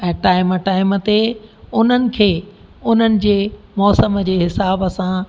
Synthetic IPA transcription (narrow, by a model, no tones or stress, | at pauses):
ɛ̃ːʈaːɪməʈaːɪmə̆t̪eʊn̤ənɪ̆kʰeː | ʊn̤ənɪ̆d͡ʑeː | mɔːsəmd͡ʑeːɦɪsaːbɐsã